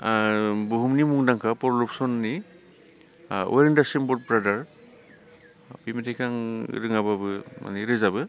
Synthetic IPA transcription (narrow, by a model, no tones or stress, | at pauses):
buɦumnimuŋdaŋkʰapɔɾlup̚sɔnːi | ɔ̰ɾendasimbɔt̚pɾadaɾ | pimitʰikʰaŋɾɯŋababɯma̰niɾɯzabɯ